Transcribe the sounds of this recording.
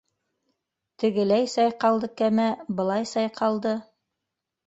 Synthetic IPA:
t̪ɘ̆ɡɘ̆læjsɑjqɑlˠd̪ɤkæmæbɤ̆lˠɑjsɑjqʰɑlˠd̪ɤ

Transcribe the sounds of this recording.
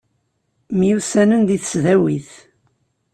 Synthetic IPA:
mjusænənd̪iθə̥sðæwiθ

